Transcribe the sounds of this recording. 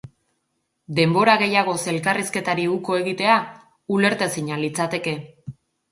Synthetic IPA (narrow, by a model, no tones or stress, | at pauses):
d̪e̞mbo̞ɾaɣe̞jaɣ̞o̞se̞lkariske̞t̪aɾiuko̞e̞ɣit̪e̞a | ule̞ɾt̪esiɲalit͡sat̪e̞ke̞